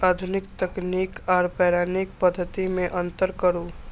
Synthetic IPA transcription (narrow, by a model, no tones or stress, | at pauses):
aːd̪ʱʊnɪk̚t̪əkniːkaːɾpɛːɾaːnikpəd̪ʱːət̪imẽʔə̃nt̪əɾkəɾu